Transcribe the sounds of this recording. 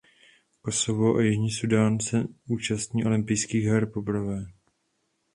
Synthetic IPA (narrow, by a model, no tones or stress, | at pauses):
ko̞sovoʔajɪʒɲiːsudaːnsɛuːt͡ʃast̪ɲiːʔo̞lɪmpɪjskiːɣɦɛɾpo̞bɾavɛː